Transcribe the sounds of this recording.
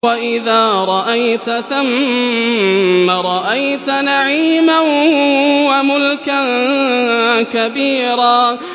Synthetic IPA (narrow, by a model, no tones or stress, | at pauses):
waʔɪðaːɾˤɑʔajt̪θʊmmː | aɾˤɑʔajt̪naʕiːman | wamʊlkan | kabiːɾaː